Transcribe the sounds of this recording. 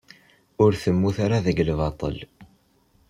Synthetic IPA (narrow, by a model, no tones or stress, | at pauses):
ʊɾθəmːuθaɾaðəɡlvɑt̪ˤə̰l